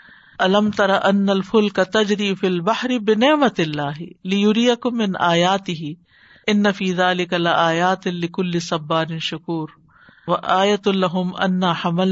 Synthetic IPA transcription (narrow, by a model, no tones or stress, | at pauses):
ʔɐlɐmt̪ɐɾɑʔɐnːɐlfʊlkɐt̪ɐd͡ʒɾiːfilbaħɾɪbɪnɪʕmɐt̪ɪlːaːɦɪlɪjʊɾijɐkʊmːɪnʔaːjaːt̪ɪɦɪ | ʔɪnːɐfiːðaːlɪkalɪʔaːjaːt̪ɪlɪkʊlːɪsɐbːaːɾɪnʃʊkuːɾ | ʋɐʔaːjɐt̪ʊlɐɦʊmʔɐ̰nːaħamɐl